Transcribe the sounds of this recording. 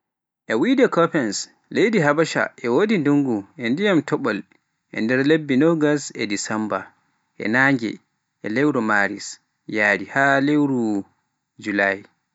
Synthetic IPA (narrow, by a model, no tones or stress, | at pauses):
ʔɛwidɛkɔpɛns | lejdiɦabaʃa̰ʔɛwodinduŋɡuɛndijamtʰɔɓɔl | ʔɛ̰ndɛɾlebːinɔɡasɛdisɛmba | ʔɛ̰naŋɡɛ̰ | ɛlɛwɾɔmaɾḭs | jaːdihalewɾu | d͡ʒulaj